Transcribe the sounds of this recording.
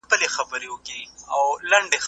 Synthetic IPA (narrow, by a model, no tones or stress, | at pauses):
pəlexɐbəɾewʊkia̰wlɐɳɖex